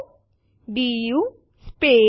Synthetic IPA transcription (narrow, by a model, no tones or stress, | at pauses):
ɖiju | speː